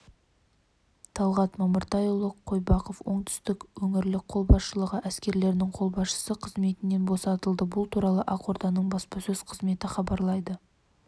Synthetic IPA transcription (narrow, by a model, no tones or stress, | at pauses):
t̪ʰɑlˠʁɑt̪mɑməɾt̪ʰɑjulˠəqʰːo̞jbɑqofwo̞ɴt̪ʰʏ̥st̪ɪkwɵŋɪɾlɪk̚qʰo̞lˠbɑsʃəlˠəʁəʔæskʲe̞ɾle̞ɾɪnɪŋqʰo̞lˠbɑsʃə̥səqʰəzme̞t̪ɪnːe̞nbo̞sɑt̪əlˠd̪əbʊlˠt̪ʰuɾɑlˠəʔɑqo̞ɾd̪ɑnəɴbɑspɑsɵz̥qʰəzme̞t̪ɪχɑbɑɾlˠɑjd̪ə